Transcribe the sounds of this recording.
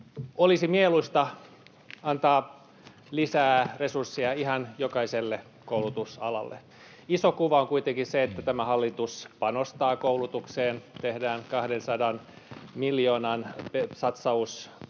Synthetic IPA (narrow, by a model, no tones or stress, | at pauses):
olisimieluist̪ɑ | ɑnt̪ɑː | lisæːresursːiɑihɑnjokɑiselːe | koulut̪usɑlɑ̰lːḛ | isokuʋɑoŋkuit̪eŋkiseet̪ːæt̪æmæhɑlːit̪uspɑnost̪ɑːkoulut̪ukseːnt̪ehdæːnkɑhdensɑdɑn | miljoːnɑnpesɑt̪sɑus